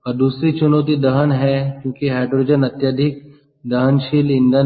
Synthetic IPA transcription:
ɔːɾd̪uːsɾit͡ʃʊnoːt̪̬id̪ɐɦənɦɛkjõːkiɦɛːɖɾoɾɪd͡ʒənɐt̪jaːd̪ʱɪk̚ | d̪ɐɦənʃɪlɪ̃nd̪a

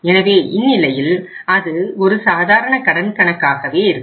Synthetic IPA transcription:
ɛnɐʋeːʔɪnːɪlɐjɪl | ɐðɯɔɾɯsaːðaːɾɐɳɐkɐɽɐnkɐɳɐkːaːɣɐʋeːɪɾɯkː

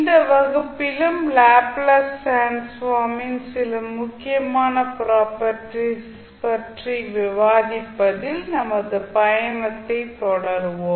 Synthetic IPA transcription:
ɪnd̪ɐʋɐɣɯpːɪlɯmlaːplɐsːensʋaːmɪnsɪlɯmːʊkːɪjɐmaːnɐpɪɾaːpɐʈːis | pɐʈriʋɪʋaːðɪpːɐðɪlnɐmɐðɯpɐjɐnɐt̪ːɐɪt̪ːɔɽɐɾɯʋom

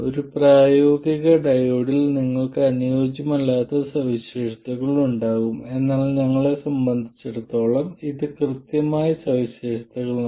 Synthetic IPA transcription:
o̞ɾupraːjo̞ːɡiɣɐɖɐjoːɽilniŋːɐɭkɨɐnujo̞ːd͡ʑɐmɐlːaːt̪ːɐsɐʋiɕe̞ːʂɐt̪ɐɣɐɭiɭuɳɖaːɣume̞nːaːlɲɐŋːɐɭe̞sɐmbɐnd̪ʱit͡ɕːeɽut̪ːo̞ːɭɐmiðɨkrɨt̪jɐmaːjɐsɐʋiɕeːʂɐt̪ɐɣɐɭ

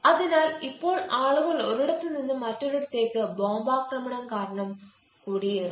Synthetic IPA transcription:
ɐðɐnaːlɪpːoːɭʔaːɭɯʋɐlɔɾɯɽɐt̪ːɯnɪnd̪ɯmɐʈːɔɾɯɽɐt̪ːeːkːɯboːmbaːkɾɐmɐɳɐmkaːɾɐɳɐm | kuːɽɪjɐɾɯ

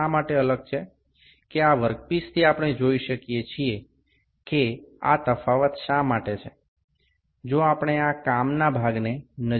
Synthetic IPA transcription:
amaʈeələɡ̚t͡ʃʰe | keaʋəɾk̚pist̪ʰiapəɽ̃ed͡ʒoiʃəkijet͡ʃʰie | kea̰t̪əfaʋət̪ʃamaʈet͡ʃʰe | d͡ʒoapɽ̃eakamnabʱaɡnenə

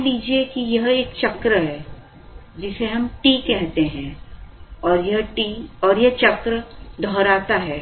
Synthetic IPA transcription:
liːd͡ʒiekijɐɦeːkt͡ʃɐkɾəɦɛː | d͡ʒɪseɦɐmʈiːkɛɦt̪eɦɛ̃ | ɔːɾjɐɦʈiɔːɾjɐɦt͡ʃɐkɾəd̪ʱɔːɾaːt̪aɦɛː

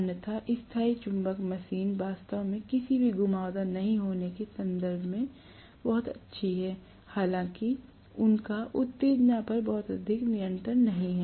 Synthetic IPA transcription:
njət̪ʰaʔɪst̪ʰaːit͡ʃʊ̃mbəkmɐsiːnʋaːst̪əʋmẽkɪsibʱiɡʊmaːd̪anɐɦĩɦoːnekesɐ̃nd̪əɾbʱmẽ | bɔɦʊt̪ɐ̰tːʃʰiɦɛː | haːlãːki | ʊnkaʔʊt̪ːeːd̪napɐɾbɔːʊt̪ɐd̪ʱɪknɪjə̃ɳʈɾənːɐɦĩɦɛː

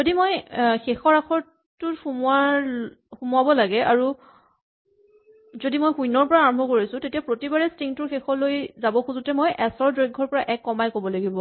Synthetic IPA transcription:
zodimojxexɔɹaxʰɔɹ | tːʊtxuma | xumʊabɔlaɡɛʔaɹu | zodimojxujnɔɹpɔɹaːɹɔmbʱɔkoɹisʊ̃tetijapɹotibaɹɛstiŋtʊɹxexɔlojzabɔxuzutɛmojʔɛsɔɹdɹojɡʱːɔɹpɔɹaʔɛkːɔmajkobɔlaɡibɔ

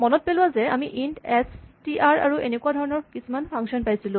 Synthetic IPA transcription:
mɔnɔt̚pelʊwazɛamiʔintɛstiʔaɹa̰ɹuʔenekuadʱɔɹɔnɔɹkisumanpʰaŋksiɔnpajsilʊ̃

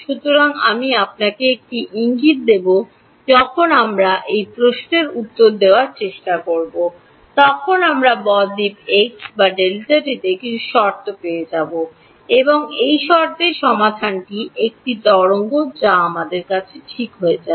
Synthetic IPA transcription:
ʃut̪oɾaŋamiap̚nakeek̚ʈiʔiŋɡit̪̚d̪ebo | d͡ʑɔkʰonamɾaʔejpɾoʃneɾut̪ːoɾd̪eoaɾt͡ɕeʃʈakoɾbo | t̪ɔkʰonamɾabɔd̪ipeksbaɖelt̪aʈit̪ekit͡ɕʰuʃɔɾt̪opeed͡ʑabo | eboŋejʃɔɾt̪eɾʃɔmad̪ʱanʈiek̚ʈid̪ɔɾoŋɡod͡ʑaamad̪eɾkat͡ɕʰeʈʰikɦoed͡ʑa

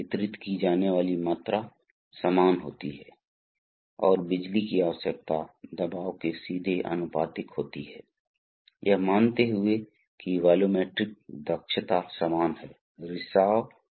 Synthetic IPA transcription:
ɪt̪ɾɪt̪kid͡ʒaːneʋaːlimaːt̪ɾa | səmaːnɦo̰ːt̪iɦɛː | ɔːɾbɪd͡ʒlikiaːʋəsək̚t̪ad̪ɐbaːʋkesiːd̪ʱeʔə̰nʊpaːt̪ɪkɦoːt̪iɦɛ̰ː | jəɦmaːnt̪eɦʊe | kiʋaːlomeːʈɾɪk̚d̪əkʃət̪asəmaːnɦɛː | ɾɪʃaːw

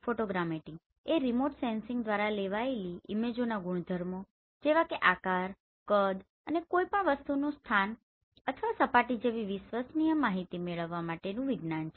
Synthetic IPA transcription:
foʈoɡɾameʈɪ̃ŋɡ | eɾimoʈsensɪ̃ŋɡd̪ʋaɾaleʋaeliːmed͡ʒonaɡʊɳ̃d̪ʱəɾmo | d͡ʒeʋakeʔakaɾ | kəd̪ | ənekoipəɳʋəst̪unũst̪ʰan | ət̪ʰəʋasəpaʈid͡ʒeʋiʋiʃʋasnijəmaɦit̪imeɭəʋːamaʈenũʋiɡnant͡ʃʰe

